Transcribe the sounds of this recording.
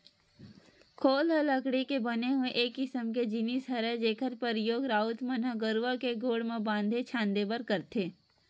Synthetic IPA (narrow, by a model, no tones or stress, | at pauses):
kʰoːlɦələkɽikebɐneɦʊeʔeːkːɪsəmked͡ʒinisɦəɾed͡ʒeːkʰət̪pəɾjoːɡɾaːʊt̪mɐnaɡəɾʋakeɡoːɽmẽbãːnd̪ʱet͡ʃʰãːnd̪ebəɾkɐɾt̪ʰeː